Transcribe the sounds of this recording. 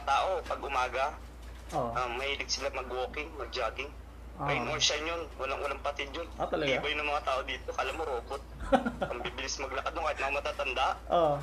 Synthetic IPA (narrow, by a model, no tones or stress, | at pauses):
ɐt̪aːʔo̞pɐɡʔʊmaːɡɐ | oʔamɐhiːlɪɡ̚sɪlamɐɡwoːkɪŋmɐɡ̚d͡ʒaːɡɪŋ | ʔoʔɐjmoɹʃɐɲjonwɐlaŋwɐlaŋpɐt̪ɪd̪onʔot̪ɐlɐɡbɐjʊnɐŋmɐŋat̪aːʔo̞d̪iːt̪okɐʔɐlamːoɾoːkot̪̚ɐŋbiːbɪlɪsmɐɡ̚lɐkad̪nokaːhɪt̪mɐŋamɐt̪aːt̪ɐnd̪aʔʔo